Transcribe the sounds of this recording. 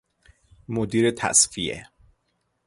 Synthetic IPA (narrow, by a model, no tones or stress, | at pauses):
mod̪iːɾet̪ʰæ̰sfijḛ